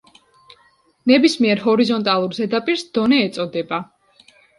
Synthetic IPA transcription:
nɛbismiɛɾɦɔɾizɔnt̪ʼalˠuɾzɛd̪apʼiɾsd̪̥ɔnɛːt̪sʼɔd̪ɛba

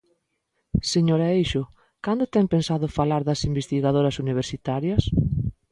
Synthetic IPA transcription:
seɲoɾaejʃʊ | kand̪ʊt̪ɛŋpensaðʊfalaɾðɐsimbest̪iɣaðoɾɐsuniβ̞eɾsit̪aɾjɐs

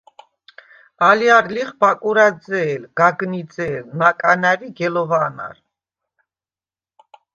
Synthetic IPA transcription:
aliaɾliχbakʼuɾad͡zɛːlɡ̥aɡnit͡sɛːlnakʼanaɾiɡɛlɔvana̰ɾ

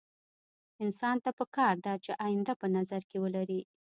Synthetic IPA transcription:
ɪnsɑnt̪apəkɑɾd̪at͡ʃeʔajɪnd̪apənazaɾkewəlaɾi

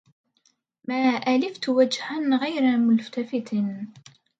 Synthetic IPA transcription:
maːʔalɪft̪wad͡ʒhanɣajɾamʊlft̪afɪt̪n

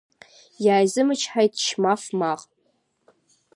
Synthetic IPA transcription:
jaːjzɨmɨt͡ʃʰħajtʰʃʰmafmaqʼ

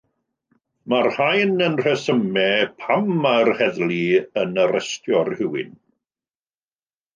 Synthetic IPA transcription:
marhajnənr̥ɛsəmɛpʰamarhɛðlˠiənəɾʔɛstjɔrhɪwɪ̰n

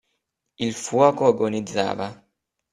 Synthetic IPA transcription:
ilfwɔːkoaɡonid̪za̰ːva

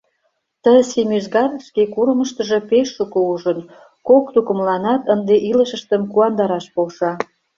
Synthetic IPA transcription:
t̪əsemyʒɣɑrʃkekuɾəməʃt̪ə̆ʒe̽peʃːukouʒən | kokt̪ukə̆mlɑnɑt̪ənd̪eʔiləʃə̆ʃt̪ə̆mkuɑnd̪ɑɾɑʃpolʃɑ

